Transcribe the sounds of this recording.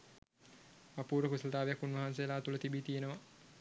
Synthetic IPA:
apuːɾəkusələt̪aːʋejakːunʋɐɦans̬ejelaːt̪ulət̪ibit̪ijenəʋa

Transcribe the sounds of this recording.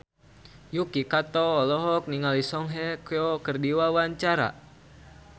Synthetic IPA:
jukikat̪ɔːlɔɦɔk̚niŋalisɔŋɦɛkɛɔkərdiwawaɲt͡ʃaɾa̰

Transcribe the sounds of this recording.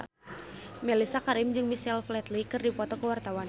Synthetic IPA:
mɛlisakaɾɪmd͡ʒɨŋmisɛlflɛt̪likɨrdipɔt̪ɔkəwart̪awan

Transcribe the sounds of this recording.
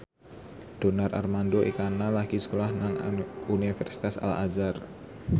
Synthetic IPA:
d̥onarʔa̰rmandoʔikanalaɡisə̥kolahnaŋunifɛrsi̥t̪asa̰la̰zar

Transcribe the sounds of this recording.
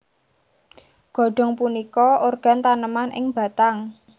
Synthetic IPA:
ɡ̥ɔ̤ɖ̥ɔ̤ŋpunikɔʔorɡ̥a̤nt̪anəmanʔɪ̰ŋba̤t̪aŋ

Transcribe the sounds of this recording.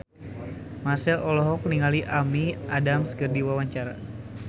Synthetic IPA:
marsɛlʔɔlɔɦɔk̚niŋaliʔamiadamsɡərdiwawaɲt͡ʃaɾa̰

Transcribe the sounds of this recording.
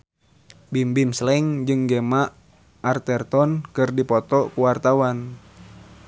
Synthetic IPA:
bimbimslɛŋd͡ʒɨŋɡemaʔ | art̪ɛrt̪ɔnkɨrdipɔt̪ɔkuwart̪awan

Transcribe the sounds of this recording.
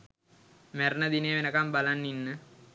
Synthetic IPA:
mæɾnəd̪inejʋenəkambalanːinːə

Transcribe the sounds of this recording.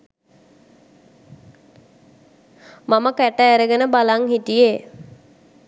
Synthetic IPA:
maməkæʈəːɾəɡənəbalaŋhit̪ije

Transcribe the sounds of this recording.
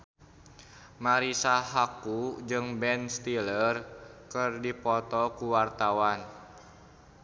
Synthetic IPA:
maɾisaɦakud͡ʒɨŋbɛnst̪ilərkɨrdipɔt̪ɔkuwart̪awan

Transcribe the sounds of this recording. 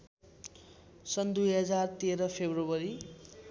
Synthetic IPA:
sʌnd̪ujɦʌd͡zart̪eɾʌpʰebrobʌɾi

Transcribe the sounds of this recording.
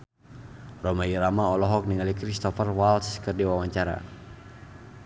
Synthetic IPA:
rɔmaiɾamaɔlɔɦɔk̚niŋalikɾist̪ɔfərwalskərdiwawaɲt͡ʃaɾa̰

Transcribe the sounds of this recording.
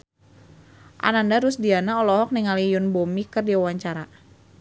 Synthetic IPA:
ʔa̰nandaɾʊsdianaɔlɔɦɔk̚niŋalijʊnbomikərdiawaɲt͡ʃaɾa

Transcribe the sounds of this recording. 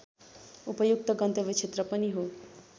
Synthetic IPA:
upəjuk̚t̪əɡənt̪əʋit͡ʃʰet̪ɾəpəniɦo

